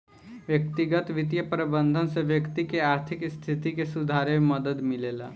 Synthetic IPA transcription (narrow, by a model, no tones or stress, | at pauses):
ʋjəkt̪ɪɡət̪ʋɪt̪̬jəpɾəbə̃nd̪ʱənseʋjəkt̪ikeaːɾt̪ʰɪkst̪ʰɪt̪ikesʊd̪ʱaːɾememəd̪əd̪mɪleːla̰ː